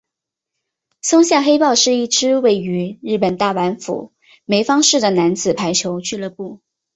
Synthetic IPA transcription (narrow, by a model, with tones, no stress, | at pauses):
sʊ˥ŋɕja˥˩xe˥ɪpɑ˥˧ʊʂɻ̩˥˧i˥˩ʈ͡ʂɻ̩˥we˥˩ɪy˧˥ɻɻ̩˥˩pə˨˩nt̪a˥˩wa˧˥nfṵ˨˩˦ | me˧˥ɪfɑ˥ŋʂɻ̩˥˩d̪ə˩na˧˥nd͡zɹ̩˨˩pʰa˧˥ɪt͡ɕʰjo˧˥ʊt͡ɕʰy˥˧lɤ˥˧pu˥˩